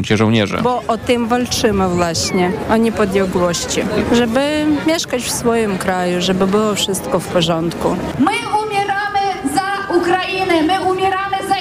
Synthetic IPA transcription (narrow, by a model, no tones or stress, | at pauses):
mt͡ɕɛʐɔwɲɛ̰ʐɛ̰bɔʔɔt̪ɨmvalt͡ʂɘmɘvwaɕɲɛɔɲɛpɔd̪ʲjɛɡwɔɕt͡ɕiʐɛbɘmʲjɛʂkat͡ɕfsfɔjimkɾajuʐɛbɘbɘwɔfʂɘst̪kɔfpɔʐɔnt̪ku | mɘumʲjɛɾamɘzaukɾainɛmɘumʲjɛɾamɘza